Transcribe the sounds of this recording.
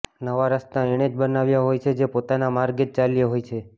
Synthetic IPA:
nəʋaɾəst̪aeɽ̃ed͡ʒbənaʋjaɦojt͡ʃʰed͡ʒepot̪anamaɾɡet̪̚t͡ʃaljeɦojt͡ʃʰe

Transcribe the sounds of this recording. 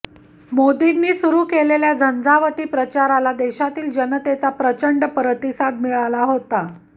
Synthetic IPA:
mod̪inːiːsuɾuːkeleljad͡zʱənd͡zaʋəʈ̪iːpɾət͡ɕaɾalad̪eɕat̪iːld͡ʑənət̪et͡sapɾət͡ɕəɳɖpɾət̪isad̪̚miɭalaɦot̪a

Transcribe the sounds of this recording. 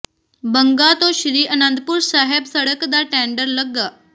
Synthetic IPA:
bəŋɡat̪oɕɾiːənənd̪̚puːɾsaɦebsəɽəkd̪aʈɛ̃ɳɖəɾləɡːa

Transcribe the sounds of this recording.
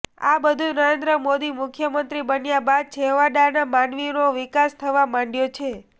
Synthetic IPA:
a̰bəd̪ʱũnəɾẽnd̪ɾəmod̪imʊkʰjəmənt̪ɾibənjabad̪̚t͡ʃʰeɦʋaɖanamanʋinoʋɪkast̪ʰəʋamãɳɖjot͡ʃʰe

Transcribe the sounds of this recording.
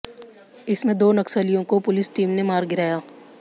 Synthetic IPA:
ɪsmẽd̪oːnɐksəlijõkopʊlɪsʈiːmnemaːɾɡɪɾaːjaː

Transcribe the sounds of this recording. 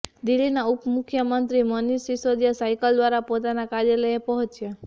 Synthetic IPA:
d̪ilːinaupmukʰjəmənt̪ɾimʌnisisod̪jasajkəld̪waɾapot̪anakaɾjələjepɔɦũt͡ʃʰja

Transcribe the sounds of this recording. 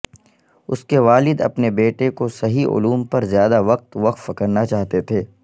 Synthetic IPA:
ʊskeʋaːlɪd̪ɐ̰pnebeːʈekosɐɦiʔʊ̰luːmpɐɾzjaːd̪aʋɐq̚t̪ʋɐqfɐkəɾnat͡ʃaːɦt̪et̪ʰeː

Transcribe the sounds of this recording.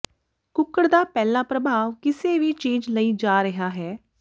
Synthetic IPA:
kʊkːəɽd̪aːpɛːlãːpɾəbʱaːʋkɪseːʋiːt͡ʃiːd͡ʒləiːd͡ʒaːɾɪɦaːɦɛː

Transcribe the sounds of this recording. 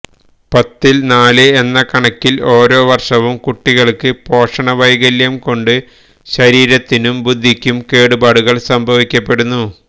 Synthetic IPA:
pɐt̪ːilnaːlɨenːɐkɐɳɐkːilo̞ːɾo̞ːʋɐrʂɐʋumkuʈːiɣɐɭkɨpo̞ːʂɐɳɐʋɐjɣɐljɐmko̞ɳɖɨ | ɕɐɾiːɾɐt̪ːinumbud̪ʱːikʲːumke̞ːɽubaːɽuɣɐɭsɐmbʱɐʋikʲːɐpːe̞ɽunːu

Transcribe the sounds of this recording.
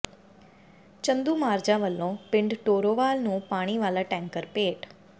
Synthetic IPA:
t͡ʃə̃nd̪uːmaːɾd͡ʒãʋəlːõːpɪ̃ɳɖʈoːɾoːʋaːlnũːpaːɽ̃iʋaːlaʈɛ̃ːŋkəɾpeːʈ

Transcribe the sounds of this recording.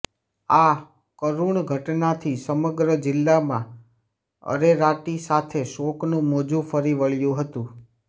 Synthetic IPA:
a | kəɾuɳɡʱəʈnat̪ʰisəməɡɾəd͡ʒɪlːamã | ə̰ɾeɾaʈisat̪ʰeʃoknũmod͡ʒũfəɾiʋəɭjũɦət̪ũ

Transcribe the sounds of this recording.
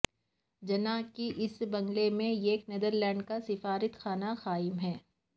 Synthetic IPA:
d͡ʒɐnakiʔɪsbɐ̃ŋɡlemẽeːkneːd̪əɾlɛ̃ːɳɖkasɪfaːɾət̪xaːnaxaːɪmɦɛː

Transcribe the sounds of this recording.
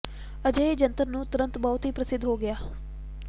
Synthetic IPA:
əd͡ʒəeːd͡ʒənt̪əɾnũːt̪ʊɾə̃nt̪bɔːt̪ɦiːpɾəsɪd̪ʱːɦoːɡɪjaː

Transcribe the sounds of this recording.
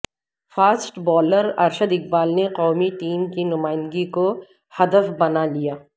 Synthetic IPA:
faːsʈbɔːləɾɐɾʃəd̪ɪk̚baːlneqɔːmiʈiːmkinʊmaːɪ̃nd̪ɡiko | hɐd̪əfbɐnalijaː

